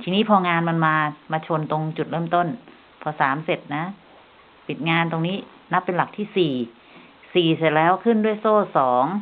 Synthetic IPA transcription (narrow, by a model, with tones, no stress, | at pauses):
t̪ʰiː˧niː˦˥pʰɔː˧ŋaː˧nma˧nmaː˧maː˧t͡ɕʰo˧nt̪o˧ŋt͡ɕu˨˩t̪̚ɾɤː˥˩mt̪o˥˩n | pʰɔː˧saː˩˦mse˨˩t̪̚na˦˥ | pi˨˩t̪̚ŋaː˧nt̪o˧ŋniː˦˥ | na˦˥pːe˧nla˨˩k̚t̪ʰiː˥˩siː˨˩ | siː˨˩se˨˩t̪̚lɛː˦˥wkʰɯ˥˩ndu˥˩əjsoː˥˩sɔː˩˦ŋ